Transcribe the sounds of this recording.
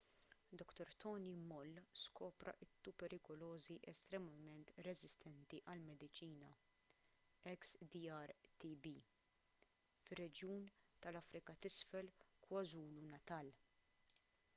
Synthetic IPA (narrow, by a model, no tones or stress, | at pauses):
d̪ɔkt̪ɔɾt̪ɔːnimɔlːskɔːpɾɐ̰ʔɪt̪ːupɛɾɪkɔlɔːziʔɛst̪ɾɛmɐmɛnt̪ɾɛzɪst̪ɛnt̪iʔɐlmɛd̪ɪt͡ʃiːnɐ | ɛksd̪iɐɾt̪ibi | fɪrːɛd͡ʒjuːnt̪ɐlɐfɾɪkɐt̪ɪsfɛlkwɐzuːlunɐt̪ɐːl